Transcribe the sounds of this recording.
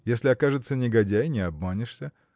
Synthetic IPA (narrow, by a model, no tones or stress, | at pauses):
jesʲlʲɪɐkaʐɨt̪sənʲɪɡɐdʲæjnʲɪɐbmanʲɪʂsʲə